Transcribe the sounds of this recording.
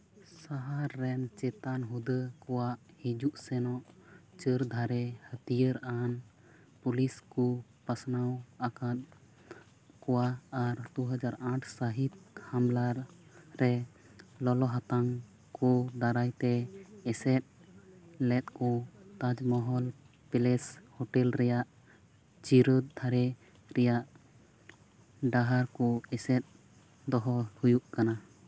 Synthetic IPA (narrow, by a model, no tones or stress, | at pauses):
saɦaɾːɛnt͡ʃɛt̪anɦud̪əkɔwaʔ | hid͡ʒuʔsɛnɔʔt͡ʃəɾd̪ʱaɾɛhət̪ijəɾan | puliskɔpasnawakat̪̚ | kɔwaːɾd̪uɦəd͡ʒaɾãʈʰsəɦit̪̚hamlaɾːɛ | lɔlɔɦat̪aŋ | kɔd̪aɾajt̪ɛɛsɛt̪̚ | lɛt̪̚kɔt̪ad͡ʒmɔɦɔl | pɛlɛshɔʈɛlɾɛjaʔ | t͡ʃiɾəd̪̚d̪ʰʱaɾɛ | ɾɛjaʔ | ɖaɦaɾkɔɛsɛt̪̚ | d̪ɔɦɔhujuʔkana